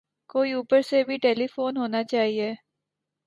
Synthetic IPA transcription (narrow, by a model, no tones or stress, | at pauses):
koːiuːpəɾsebʱiʈeːlifoːnɦoːnat͡ʃaːɦieː